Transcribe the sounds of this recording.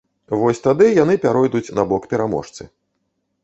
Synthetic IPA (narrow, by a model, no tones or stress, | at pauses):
vɔsʲt̪ad̪ɨjan̪ɨpʲaɾɔjd̪ut͡sʲnɐbɔkpʲɛɾamɔ̰ʂt̪sɨ̰